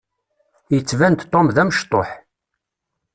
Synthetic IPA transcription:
jət͡sːvænt̪t̪ˤːomðæməʃt̪ˤo̰ħ

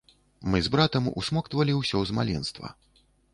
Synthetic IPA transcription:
mɨzbɾat̪ɐmṵsmɔkt̪vɐlʲiwsʲɔzmalʲɛnst̪vɐ̰

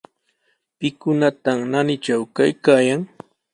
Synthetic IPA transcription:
pɪkʊnat̪amnanɪt͡ʃawkajkaːjaŋ

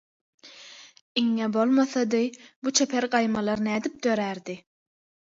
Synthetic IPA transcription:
iŋːebolˠmɑθɑd̪ɯbut͡ʃʰepʰeɾɢɑjmɑlˠɑɾnæːd̪ip̚d̪øɾæɾd̪i

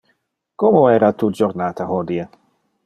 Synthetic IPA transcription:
komoɛːɾat̪ud͡ʒoɾnaːt̪aɦod̪ie

